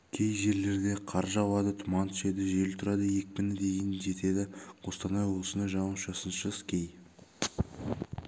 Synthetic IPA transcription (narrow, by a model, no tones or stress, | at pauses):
kʲʰe̞jʒe̞ɾle̞ɾd̪e̞qʰɑɾʒɑwˠɑd̪ət̪ʰʊmɑnt̪ʰʏʃe̞d̪ɪʒelt̪ʰʊɾɑd̪əje̞k̚ʲpɪnɪd̪e̞jɪnʒe̞t̪e̞d̪ɪqʰost̪ɑnɑjwoblˠəsənɑʒɑnəʃɑsənʃəskʲʰe̞j